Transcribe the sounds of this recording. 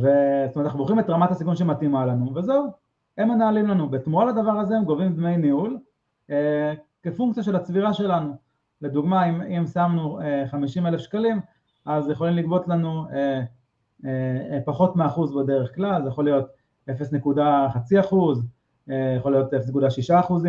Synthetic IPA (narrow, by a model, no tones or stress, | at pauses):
vestometnaχnuboχimet̪ʁamatasikunʃematimalanuvezeu | emanaːlimlanubetmuʁalad̪avaʁazeemɡo̞vimbnejniul | ekefuŋk̚t͡sijaʃe̞lat͡sviʁaʃe̞lanu | le̞d̪uɡmaimimsamnueχamiʃimele̞fʃkalim | ʔazjeχo̞limlikbo̞t̪lanue | paχo̞tmeaχuzbe̞de̞ʁeχklalzejaχo̞lijo̞t | e̞fesnekudaχat͡siaχuz | ejaχolijo̞t̪efesnekud̪aʃiʃaːχuzi